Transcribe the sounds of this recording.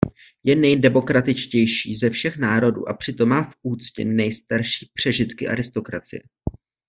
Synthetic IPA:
jɛnɛjdɛmo̞kɾat̪ɪt͡ʃcɛjʃiːzɛfʃɛxnaːɾo̞dṵːʔapr̝̥ɪt̪o̞mːaːfʔuːt͡scɪ̰nɛjst̪aɾʃi̥ːpr̝̥ɛʒɪt̪kɪʔa̰ɾɪst̪o̞kɾat͡sɪ̰jɛ

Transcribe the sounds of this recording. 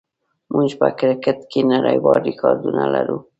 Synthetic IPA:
mʔud͡ʒpəkɾɪkɪt̪kenaɾajwɑɾikʰɑɾd̪unalaɾu

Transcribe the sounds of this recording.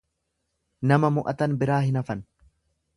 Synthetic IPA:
nɐmɐmʊʔɐt̪ɐnbɪɾaːhɪnɐfɐn

